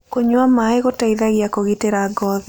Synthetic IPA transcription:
koɲwamaeɣotaiðaɣjakoɣiteɾaɡɔði

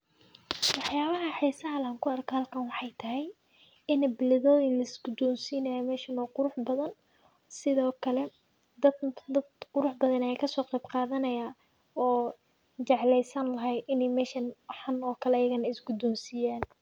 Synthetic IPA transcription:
wɑħjaːβɐɦɐħiːsɐɦɐlaːŋkʰʊɐrkʰaːlkʰɐnwɑħɑjt̪ʰɐɦɛj | ɪnbɪlɪðɔːðilɐɪsɡʊd̪ɔːmsiːnɐjɐmɛːʃɐnɔqʊɾʊħbɐðɐn | sɪðɔːkʰɐlɛ | d̪ɐd̪ɐd̪qʊɾʊħbɐðɐnɛjkʰɐsɔːqɑjbqɑːðɐnɐjaː | ɔː | t͡ʃɑʕlɛjsɐnlɐɦɛjʔɪnɛjmɛːʃɐnħɑnɔːkʰɐlɛɐjɐɣɐnɐɪsɡʊd̪ɔːmsiːjaːn

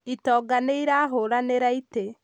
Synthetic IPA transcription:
itɔːɡaneiɾaɦoɾaneɾaite

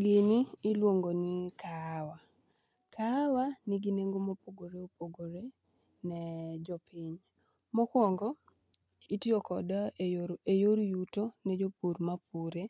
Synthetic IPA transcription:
ɡɪniːlwoŋɡonɪkʰawa | kʰawanɪɡineŋɡomopoɡoɾeopoɡoɾe | nɛd͡ʒɔpɪɲ | mɔkwɔŋɡɔ | itiɔkɔdɔejoɾjutonɛd͡ʒopuɾmapuɾe

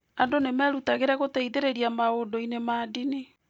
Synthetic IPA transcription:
andonemɛːɾutaɣeɾaɣoteiðeɾeɾiamaondɔinemaːdine

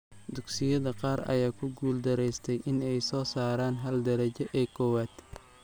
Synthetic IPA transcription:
d̪ʊɡsɪjɐðɐqɑːɾɐ̰jaːkʰʊɡuːld̪ɐɾɛjst̪ʰɛjʔɪnɛjsɔːsaːɾaːnɦɐld̪ɐɾɐt͡ʃɔʔɛːkʰɔːwaːd̪̥

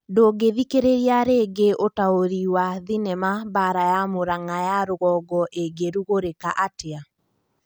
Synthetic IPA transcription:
doːɡeðikeɾeɾiaɾeːɡeʔotaoɾiwaðinɛmabaɾajamoɾaŋajaɾoɣɔːɡɔʔeɡeɾuɣoɾekaʔatea

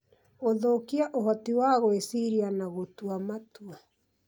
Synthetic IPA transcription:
oðokiaʔoɦɔtiwaɣoesiɾianaɣotwamatua

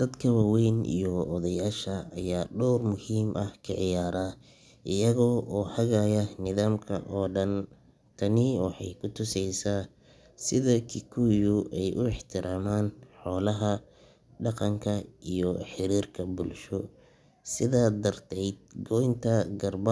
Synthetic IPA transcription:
d̪̥ɐd̪kʰɐwɑwɛjnḭjɔɔðɐjaːʃɐːjaːɖɔwrmʊhiːmʔɐhkʰɐʕɪjaːɾaː | ʔɪjɐɣɔːʔɔːhɐɣajɐnɪðaːmkʰɐ̰ʔɔːɖɐn | t̪ʰɐnɪwɑħɑ̰jkʰʊt̪ʰʊsɛjsaː | sɪðɐkʰɪkʰuːjʊʔɛjʔʊɪħt̪ʰɪɾʔaːmaːnħɔːlɐɦɐ | ɖɑqɑŋkʰɐʔijɔħɪɾiːrkʰɐbʊlʃɔ | sɪðaːd̪ɐrt̪ʰɛjd̪̚ɡɔjnt̪ʰɐɡɐrbɐ

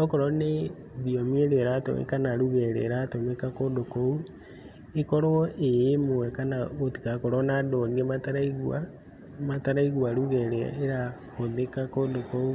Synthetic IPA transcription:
ɔkɔɾɔne | ðiɔmieɾeɾato̰ḛkanaɾuɣɛɾḛɾatomekakodokou | ekɔɾwɔʔejemowɛkanaoti̥kakoɾɔnadoŋɡemataɾaiɣwa | mataɾaiɣwaɾuɣɛɾɛ̰eɾahoðekakodokou

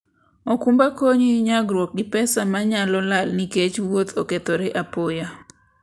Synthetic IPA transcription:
ɔkumbakoɲiɲaɡɾwok̚ɡɪpɛsamaɲalɔlalniket͡ʃwot̪ʰoket̪oɾeʔapoja

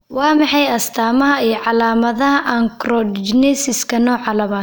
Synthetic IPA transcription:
wɑːmɑħɑjɐst̪ʰaːmɐɦɐiːʕɑlaːmɐðɐɦɐʔɐŋkrɔd̪d͡ʒnɛsɪskʰɐnɔːʕɑlɐβaː

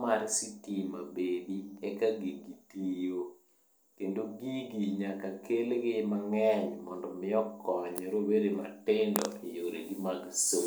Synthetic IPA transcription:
maɾsitimabed̪iɛkaɡiɡitijo | kendoɡiɡiɲakakelɡɪmaŋɛɲmɔndɔmɪɔkɔɲɾobeɾema̰tɪndɔ̰ʔejoɾḛɡɪmaɡso

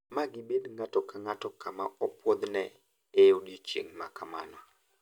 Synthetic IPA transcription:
maɡɪbedŋatɔkaŋatɔkamaɔpwɔd̪nɛ | ejoɗjot͡ʃḛŋma̰kama̰nɔ

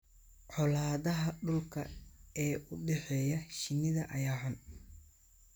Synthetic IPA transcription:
ʕɔlaːðɐɦɐɖʊlkʰɐ̰ɛːʔʊɖɛħɛːjɐʃɪnɪðɐʔɐjaːħɐn

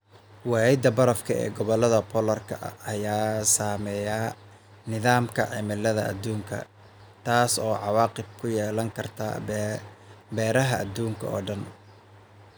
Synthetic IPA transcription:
wɑɪd̪ɐbɐɾɐfkʰɐɛ̰ːɡɔβɔlɐðɐpʰɔːlɐrkʰɐʔɐjaːsaːmɛja | nɪðaːmkʰɐʕɪmɪlɐðɐ̰ːd̪ːuːŋkʰɐ̰ | t̪ʰaːsɔːʕɑwɑːqɪb̚kʰʊjɛːlɐŋkʰɐrt̪ʰɐ̰ | bɛːɾɐɦɐʔːd̪uːŋkʰɐɔ̰ːɖɐn

